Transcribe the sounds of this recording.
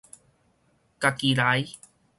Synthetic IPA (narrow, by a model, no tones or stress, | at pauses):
kakiɾaj